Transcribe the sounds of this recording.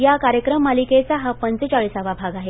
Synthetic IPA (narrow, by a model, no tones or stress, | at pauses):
jakaɾjəkɾəmːaliket͡saɦapənt͡set͡ɕaɭisaʋabʱaɡaɦe